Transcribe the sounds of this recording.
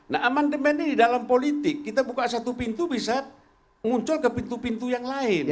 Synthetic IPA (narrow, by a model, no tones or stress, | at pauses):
naʔamandɛmɛnididalampolit̪ikːit̪abukaʔsat̪upint̪ubisa | muɲt͡ʃɔlkapint̪upint̪ujaŋlain